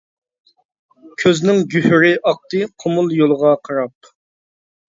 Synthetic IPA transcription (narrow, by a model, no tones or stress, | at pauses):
kʲʰøznɪŋɡʲyhyɾɪʔɑq̚t̪ɨqʰomʊlˠjolˠəʁɑqʰɑɾɑp̚